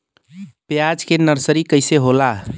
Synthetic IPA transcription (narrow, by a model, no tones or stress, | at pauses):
pjad͡ʒkenəɾsəɾikəɪseɦola